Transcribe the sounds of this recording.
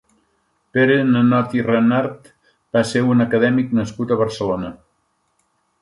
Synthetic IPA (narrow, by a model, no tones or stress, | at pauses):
peɾenənɔt̪irənaɾt̪ | b̥aseunəkəðɛmiknəskut̪əβəɾsəlonə